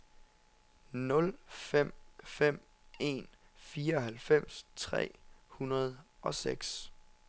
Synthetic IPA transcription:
nɔ̽lfem̰fem̰ | e̝̰ːnfiːɐɒɦælfem̰st͡sʰʁɛ̰ːhunɐð̞ˠʔɒ̽seɡ̥s

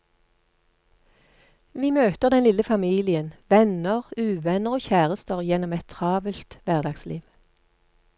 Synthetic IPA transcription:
ʋiːmøːt̪əʁd̪ɛnlɪləfɑmiːlɪənʋɛnəʁʉːʋɛnəʁoːçæːʁəst̪əʁjɛnɔmɛt̪ʰʁɑːʋəlt̪ʋæʁd̪ɑɡsliːʋ

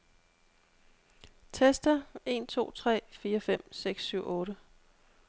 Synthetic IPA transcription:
t͡sʰesd̥ɐe̝ːnt͡sʰo̝̰ːt͡sʰʁɛ̰ːfiːɐfem̰seɡ̥sːyʊ̰ʔɔ̽ːɾə

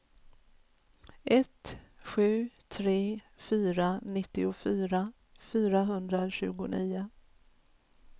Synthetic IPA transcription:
ʔɛt̪ɧʉ̟ːt̪ʰɾeː | fyːɾanɪt̪ːɪʊfyːɾa | fyːɾaɦɵnd̪ɾaɕʉ̟̰ːɡʊniːʊ

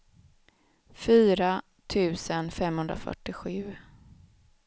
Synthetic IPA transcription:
fyːɾa | t̪ʰʉ̟ːsənfɛmhɵnd̪ɾa̰fœ̰ʈːɪɧʉ̟ː

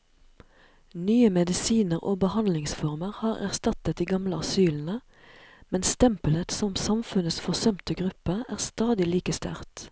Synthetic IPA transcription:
nyːəmɛd̪ɪsiːnəʁʔo̰ːbəhɑnlɪŋsfɔʁməʁhɑːʁæ̰ʁst̪ɑt̪ət̪̚d̪iːɡɑmləɑsyːln̩ə | mɛnst̪ɛmpələt̪sɔmsɑmfʉnəsfɔʁsœmt̪əɡʁʉpəæːʁst̪ɑːd̪ɪliːkəst̪æ̰ʁt̪

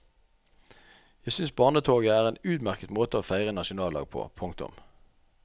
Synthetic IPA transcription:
jæɪsʏnsbɑːʁnət̪ʰoːɡəæːʁeːnʉːd̪mæʁkət̪moːt̪əoːfæɪʁənɑʃʊnɑːlɑ̰ːɡ̚pʰo̰ːpʰʊŋkt̪ʊ̰m

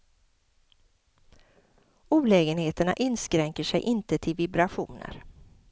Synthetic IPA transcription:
uːlɛːɡənheːt̪əɳa̰ʔɪnskɾɛŋkəʂɛjʔɪnt̪ət̪ʰɪlvɪbɾaɧṵːnə̰ɾ

